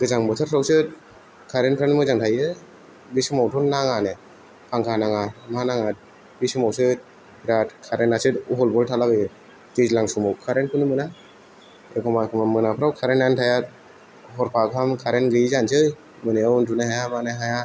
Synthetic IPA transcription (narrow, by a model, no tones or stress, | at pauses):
ɡ̥ɯzaŋbɯtʰɯɾɾɔwsɯt | kʰaɾenpʰɾenmɯzaŋtʰajɯ | bisɯmawtʰɔnnːaŋane | pʰaŋkʰanaŋamanaŋat̚ | bisɯmawsɯ | ɾatkʰaɾenasɯtuɦɔlbɔltʰalabɯj | tizlaŋsumɔwkʰaɾenpʰɯnɯmɯna | ekʰɔmakʰɔmamɯnapʰɯɾawkʰaɾenantʰajat̚ | ɦɔɾpʰakʰamkʰaɾenɡizansɯ | mɯneawuntʰuneɦajamaneɦaja